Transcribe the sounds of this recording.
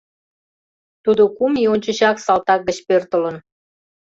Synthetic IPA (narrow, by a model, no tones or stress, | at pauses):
t̪ud̪okumionʲt͡ɕə̆ʑɑksɑlt̪ɑk̚ɡə̆t͡ɕpørt̪ə̆lən